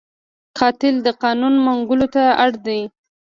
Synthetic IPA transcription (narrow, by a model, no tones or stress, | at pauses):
qʰɑt̪ɪld̪əqɑnunmaŋɡʊlot̪aaɽd̪aj